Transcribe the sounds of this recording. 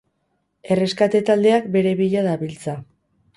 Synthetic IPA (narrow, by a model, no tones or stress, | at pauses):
e̞re̞skat̪e̞t̪ald̪e̞akbe̞ɾe̞βiʎaðaβilt͡sa